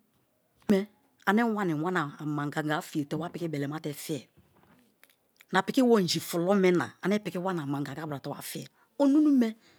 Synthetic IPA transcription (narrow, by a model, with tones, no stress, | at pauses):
mɛ˦ | a˨nɛ˦wa˦nɪ˨wa˦na˨a˨ma˨ŋɡa˨ŋɡa˨˦fi˨e˨tɛ˦wa˦pɪ˨kɪ˦bɛ˨lɛ˨ma˦tɛ˨fi˦ɛ˨ | na˨pɪ˨ki˦wo˦˨n̩˨d͡ʒi˨fʊ˨lɔ˦mɛ˦na̰˨a˨nɛ˦pɪ˨kɪ˦wa˦na˨ma˨ŋɡa˨ɡa˨˦bɾa˨tɔ˨˦wa̰˨fi˦ɛ˨ | o˦nu˦nu˦mɛ˦